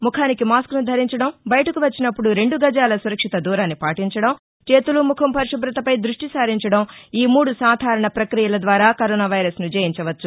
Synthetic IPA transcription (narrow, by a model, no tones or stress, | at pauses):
mukʰaːnikimaːskunud̪ʱɐɾiɲt͡ʃɐɽɐmbɐjɐʈɐkuʋɐt͡ʃːinɐpːuɽuɾe̞ɳɖuɡɐd͡ʒaːlɐsuɾɐkʂit̪ɐd̪uːɾaːnːipaːʈiɲt͡ʃɐɽɐm | t͡ʃe̞ːt̪ulumukʰɐmpɐɾʂɐbɾɐt̪ɐpɐjd̪ɾuʂʈisaːɾiɲt͡ʃɐɽɐmiːmuːɽusaːd̪ʱaːɾɐɳɐpɾɐkɾijɐlɐd̪ʋaːɾaːkɐɾɔːnaːʋɐjɾɐsnud͡ʒɐːjiɲt͡ʃɐʋɐt͡ʃːu